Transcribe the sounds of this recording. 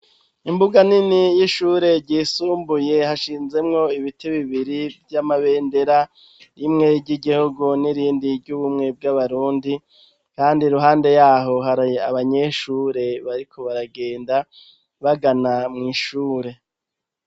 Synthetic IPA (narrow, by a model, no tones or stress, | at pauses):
imbuɡaninijiʃuːɾe̞ɾɟiːsuːmbuje̞haʃiːnze̞mŋo̞iβitʰeβiβiɾivjamaβe̞ːnde̞ɾa | imŋe̞ɾɟiɡihuɡuniɾiːndiɾɟuβumŋe̞b̚ɡaβaɾuːndi | kaːndiɾuɦaːnde̞jaːɦo̞ɦaɾaaβaɲe̞ʃuːɾe̞βaɾikʰo̞βaɾaɡe̞ːnda | βaɡanamŋiːʃuːɾe̞